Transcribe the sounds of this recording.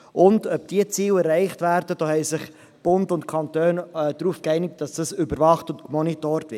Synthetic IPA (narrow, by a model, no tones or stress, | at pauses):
ʔʊndœp̚d̥iət͡siːlɛrɛɪχtvæːɾd̥əd̥oːhɛɪsɪχ | b̥ʊndʊntkʰɑntøːndɾuːfkɛɪnɪk̚tːɑsd̥ɑsybəɾvɑχtʊntkmɔnitoːɾtvɪ